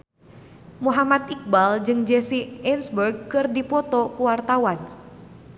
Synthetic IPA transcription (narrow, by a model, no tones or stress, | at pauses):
muɦamat̪ik̚bald͡ʒɨŋd͡ʒɛsiɛnsbərɡ̚kɨrdipɔt̪ɔkuwart̪awan